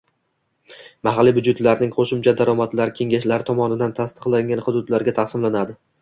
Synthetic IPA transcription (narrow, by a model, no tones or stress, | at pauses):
maɦalːibʊd͡ʒʊt̪laɾnɪŋqʰoʃɪmt͡ʃʰad̪aɾɒmat̪laɾɪkʲʰe̞ŋɡaʃlaɾɪt̪ʰɒmɒnɪd̪ant̪ʰast̪ɨ̥qlˠaŋɡʲanχʊd̪ʊd̪laɾɡʲat̪ʰaχsɪmlanad̪ɪ